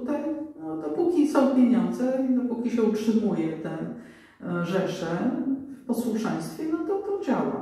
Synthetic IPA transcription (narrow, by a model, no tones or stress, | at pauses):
ut̪ajnɔd̪ɔpukʲit̪sɔpʲjeɲɔnd̪zɛid̪ɔpukʲiɕɛutʂɘmujɛt̪ɛ | ʐɛʂɛfpɔswuʂɛj̃st̪fʲjɛnɔt̪ɔt̪ɔd͡ʑawa̰